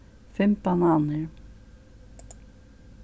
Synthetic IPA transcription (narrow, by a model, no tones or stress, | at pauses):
fɪmt̪ananɪɾ̥